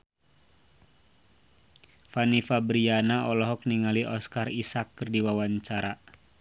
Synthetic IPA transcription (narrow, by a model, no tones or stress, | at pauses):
fanifabɾianaʔɔlɔɦɔk̚niŋaliʔɔskarisakːərdiwawaɲt͡ʃaɾa